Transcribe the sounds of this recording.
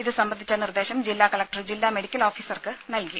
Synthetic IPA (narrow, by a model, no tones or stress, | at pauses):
iðɨsɐmbɐnd̪ʱit͡ɕːɐnird̪e̞ːɕɐmd͡ʑilːaːkɐlɐk̚ʈɐrd͡ʑilːaːme̞ɽikʲːɐlo̞ːfiːsɐrkɨnɐlki